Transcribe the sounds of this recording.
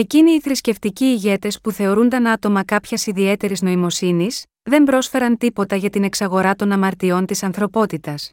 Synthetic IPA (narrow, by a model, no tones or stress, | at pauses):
e̞ciniːθɾisce̞ft̪iciːʝe̞t̪e̞spuθe̞o̞ɾund̪ɐnɐt̪o̞mɐkɐpçesiðie̞t̪e̞ɾizno̞imo̞sinis | ðe̞mbɾo̞sfe̞ɾɐnt̪ipo̞t̪ɐʝɐt̪ine̞ksɐɣo̞ɾɐt̪o̞nɐmɐɾt̪io̞nt̪isɐnθɾo̞po̞t̪it̪ɐs